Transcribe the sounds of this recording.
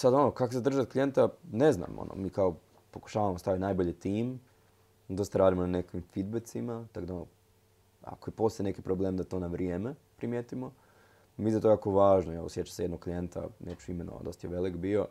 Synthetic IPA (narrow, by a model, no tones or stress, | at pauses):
sad̪o̞nokakosed̪r̩ʒat̪klijent̪ane̞zna̰mo̰nʔo̰miːkao | poku̥ʃaːʋamost̪aʋit̪naːjboʎet̪iːm | d̪ost̪aɾaːd̪imonanekʋimfid̪̚bet̪simat̪akod̪aono | a̰kojepo̞sajenekipɾobleːmd̪at̪o̞ːnaʋɾijeːmepɾimjeːt̪imo | mizat̪ojaːkoʋaːʒnojelosjet͡ɕḁsejenoɡ̚klije̞nt̪a̰neːt͡ʃuimeno̰ʋa̰d̪o̞st̪ajeʋe̞likbio̞